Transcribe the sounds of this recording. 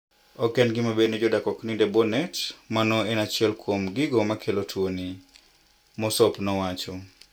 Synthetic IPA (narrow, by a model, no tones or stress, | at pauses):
ɔkɛnɡɪmabenɛd͡ʒɔdakɔknidɛbɔnɛtmanɔɛnat͡ʃɪɛlkwomɡɪɡomakʰelotʰwoni | mɔsɔpnɔwat͡ʃɔ